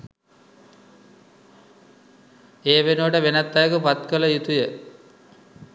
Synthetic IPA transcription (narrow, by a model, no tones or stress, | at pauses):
eːʋenuʋəʈəʋenat̪ːajəkupat̪kələjut̪ujə